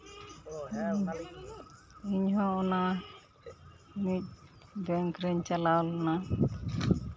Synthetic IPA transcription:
iɲɦɔ̃ɔna | mic̚ | d̪ɛŋkɾɛɲt͡ʃalawlɔna

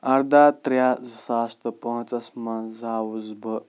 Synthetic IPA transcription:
ɐɾd̪at̪ɾjazsaːst̪əpɔ̃ɦt͡sɐsmɐnzawuzbə

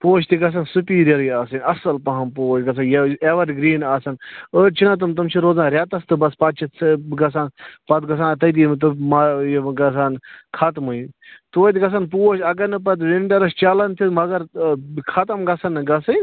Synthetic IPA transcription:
poːʃt̪iɡɐs̬ɐnsupiːɾjɐɾjiaːsɐnʲɐsɐlpɐɦɐmpoːt͡ʃɡɐs̬anjeʋɐɾɡɾiːnaːsɐnət͡ʃʰinɐt̪̬ɨmt̪ɐmt͡ʃʰiɾoːzãːɾʲjaːt̪ɐst̪ɨbɐspaːt̪̚t͡ʃʰisɡɐsaːnpɐt̪̚ɡɐs̬aːnt̪ɐt̪̬iːmt̪̬ɨmajɡɐsaːnkʰɐt̪muint̪oːt̪ʲɡɐs̬ɐnpoːʃɐɡɐɾnɨp̬ɐt̪̬ʋenʈɐɾɐst͡ʃaːlɐnt̪ʰit̪mɐɡɐɾkʰɐt̪ɐmɡɐsɐnɡɐsɐn

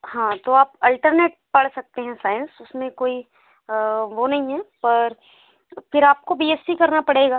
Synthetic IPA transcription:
hãːt̪oaːpɐlʈəɾneːʈ̚pɐɽsɐk̚t̪eɦɛ̃saːɪnsʊsmẽkoːi | ʋonɐɦĩɦɛpɐɾ | fɪɾaːp̚kobiːeːspikɐɾnapɐɽeːɡaː

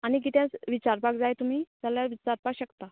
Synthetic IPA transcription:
añik̬it̪jãt͡sʋit͡ɕaɾpakd͡zajt̪um̤iːd͡zaljaʋit͡ɕaɾpakɕəkt̪a

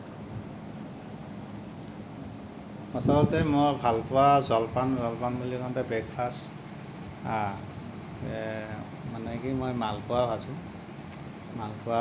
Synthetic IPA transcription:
asɔlɔtɛmɔbʱalpʊwazɔlpanzɔlpanbulikɔntabɹɛkpʰast | a | manɛkimojmalpʊwabʱasʊ̃ | malpʊa

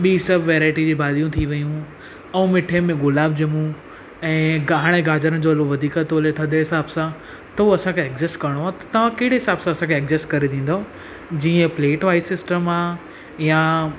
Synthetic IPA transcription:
ɓiːsɐbʋeːɾaːɪʈid͡ʑiːbaːd̪ijũt̪ʰiʋɐjũ | ɛũmɪʈʰemẽɡʊlaːb̚d͡ʑemũ | ɛ̃ːɡaːɦɽ̃eɡaːd͡ʑəɾən̆d͡ʑoɐloʋɐd̪ʱiːkət̪oːlet̪ʰɐd̪eɦɪsaːbsã | t̪ɐuɐsãkʰeekd͡ʑɪsʈkɐɾəɽ̃oɦaːt̪ɐ̥t̪ɐʋ̤ãkɐɦɪɽeɦɪsaːbsãɐsãkʰeːkd͡ʑɪsʈkɐɾed̪ĩːn̆d̪aɦo | d͡ʑiːə̃pleːʈʋaːɪsɪsʈəmaː | ja

